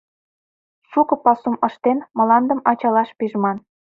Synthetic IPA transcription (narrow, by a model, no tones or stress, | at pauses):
ʃukɤ̆pɑsumə̆ʃt̪enmɤ̆lɑnd̪ə̆mɑt͡ɕɑlɑʃpiʒmɑn